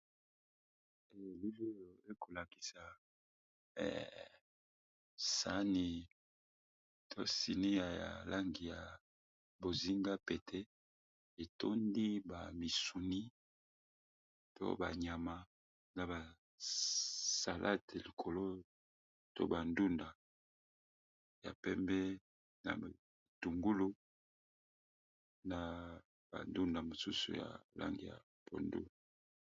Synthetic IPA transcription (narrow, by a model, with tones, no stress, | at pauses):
e˨li˦vo˦jo˨e˦ko˨la˨ki̥˨sa˨ | ɛ̰˨ | sa˦ni˨ | tʰo˦si˨ni˦ja˨ja̰˨la˦ŋɡi˨ja˨ | bo˨zi˦ŋɡa˦pe˨tʰɛ˦ | e˨to˦ndi˦ba˨mi˨su˨ni˦ | to̰˦ba˨ɲa˨ma˨ | na˨ba˨ | sa˨lʔa̰˦te˨li˨kʰo˨lo˦ | to̰˦ba˨ndu˦nda˨ | ja̰˨pɛ˦mbɛ˦ | na̰˨ | tu˨ŋɡu˦lu˦ | na˨ | b̥a̰˨ndu˦nda˨mo˨su˦sṵ˨ja̰˨la̰˦ŋɡi˨ja̰˨ | po̰˨ndṵ˦